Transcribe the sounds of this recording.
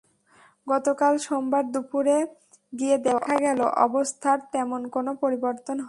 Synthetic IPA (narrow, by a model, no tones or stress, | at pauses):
ɡɔt̪okalʃombaɾd̪upuɾe | ɡied̪eoʔʰaɡɛlo̰ʔɔ̰bost̪ʰaɾt̪ɛmonkonopoɾiboɾt̪onɦɔ